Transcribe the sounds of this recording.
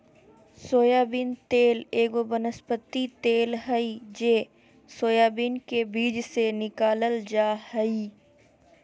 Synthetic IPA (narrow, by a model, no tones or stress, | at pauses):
soːjaːbint̪eːleːɡobənəspət̪ːit̪eːlɦəid͡ʒeː | soːjaːbiːnkebiːd͡ʒsenɪkaːləld͡ʒaːhəi